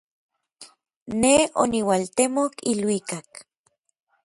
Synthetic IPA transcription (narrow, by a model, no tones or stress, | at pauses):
neo̰niwalt̪emokilwikak